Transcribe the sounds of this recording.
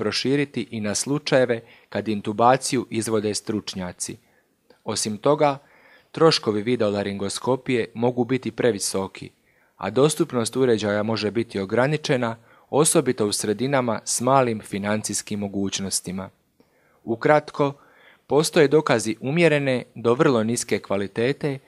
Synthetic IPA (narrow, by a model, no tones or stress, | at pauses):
pɾo̞ʃiːɾit̪iʔinaslˠut͡ʃaje̞ʋe̞ | kad̪int̪ubaːt̪sijuʔizʋo̞d̪e̞st̪ɾut͡ʃɲaːt̪si | o̞simt̪o̞ɡa | t̪ɾo̞ʃko̞ʋiʋid̪olaɾiŋɡo̞sko̞pije̞mo̞ɡuːbit̪ipɾe̞ʋiso̞kʰḭ | a̰d̪o̞st̪upno̞st̪uɾe̞d͡ʑajamo̞ʒe̞bit̪io̞ɡɾanit͡ʃe̞na | o̞so̞bit̪o̞usɾe̞d̪inamasmaːlimfinant̪sijskimːo̞ɡuːt͡ɕno̞st̪ima | ukɾat̪kʰo̞ | po̞ːst̪oje̞d̪o̞kaziʔumje̞ɾe̞ne̞d̪o̞ʋr̩lˠo̞niske̞kʋalit̪e̞ːt̪e̞